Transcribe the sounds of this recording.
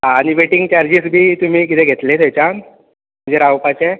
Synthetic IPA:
ɦaːɽ̃iʋeʈiŋɡt͡ɕaɾd͡ʑisbʱiːt̪um̤iːk̬it̪eɡʱet̪let̪ʰejt͡ɕan | m̤əd͡ʑeɾawpat͡ɕe

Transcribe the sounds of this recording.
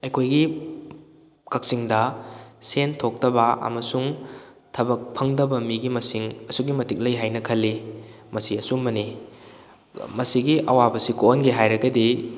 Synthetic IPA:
ɐjkʰojɡi | kɐk̚siŋdɐsentʰok̚tɐbɐɐ̰mɐsuŋ | tʰɐbɐk̚pʰɐŋdɐbɐmiɡimɐsiŋɐsuɡimɐtik̚lɐjɦajnɐkʰɐlːi | mɐsiɐsumːɐni | mɐsiɡiʔɐwabɐsikoonɡiɦajɾɐɡɐdi

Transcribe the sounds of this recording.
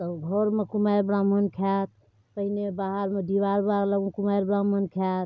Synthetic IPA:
t̪əɡʱɔɾmekumaɾbɾamːənkʰɛt̪̚ | pəɦinebaɦəɾmed̪iʋaɾbaɾləɡmekumajɾbɾamːənkʰɛt̪

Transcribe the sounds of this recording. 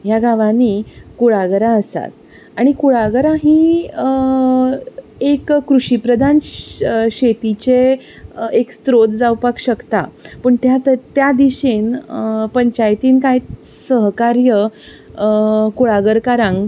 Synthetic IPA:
ɦjaɡʱaʋanikuɭaɡəɾaəsa̰t̪ | aɽ̃ikuɭaɡəɾaɦi | ekːɾuɕipɾəd̪ʱan | ɕet̪it͡ɕe | ekst̪ɾot̪d͡zawpakɕəkt̪a̰pəɳt̪jat̪ət̪jad̪iɕenpəɲt͡ɕajt̪iːnkaj | səɦkaɾjə | kuɭaɡəɾkaɾãŋɡ

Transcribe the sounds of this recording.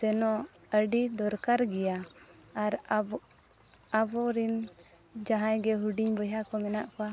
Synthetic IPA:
sɛnɔ | əɖid̪ɔɾkaɾɡɛjaː | ɾ | abɔɾin | d͡ʒaɦãjɡɛɦuɖiɲbɔjakɔmɛnaʔkɔwa

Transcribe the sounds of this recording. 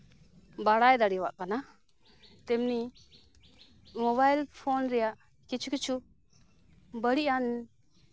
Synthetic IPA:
baɽajd̪aɽiwaʔkana | t̪ɛmni | mɔβajlpʰonɾɛjaʔ | kit͡ʃʰukit͡ʃʰu | bəɽiʔan

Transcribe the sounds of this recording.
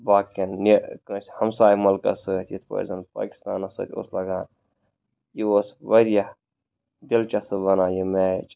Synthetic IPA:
baːkennikə̃ːsʲhɐmsaːjmɐlkɐ̰sɨt̪jit̪ʰpɐ̰zɐn̚pa̰ːki̥st̪aːnɐsɨ̰ːt̪ʰʲo̰ːslɐɡaːn | jioːsʋɐɾjɐh | d̪ilt͡ʃɐsɨbɐnaːjimet͡ʃ

